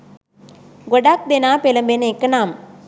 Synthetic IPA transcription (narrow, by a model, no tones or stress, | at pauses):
ɡɔɽaːk̚d̪enaːpelɐmbenekːɐnaːm